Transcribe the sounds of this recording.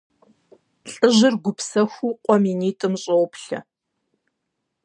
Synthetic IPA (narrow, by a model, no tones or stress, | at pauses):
ɬʼɨʒɪrɡʷʊpsɐxʷuːqʷʼɔminiːtʼɨmɕʼowpʰɬɐ̰